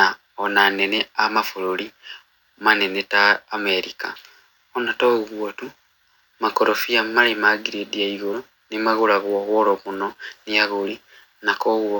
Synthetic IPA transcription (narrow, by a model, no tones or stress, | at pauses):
a | onaneneamafululi | manenetaːmeɾika | onatoɣwotu | makoɾofijamalimaɡiɾedjaiɣolo | nimaɣulaɣoɣoloβunonijaɣuli | nakoɣwo